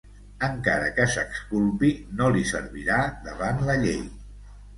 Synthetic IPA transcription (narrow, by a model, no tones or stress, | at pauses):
əŋkaɾəkəsəkskulˠpinolisə̰ɾβiɾaðəβanləʎej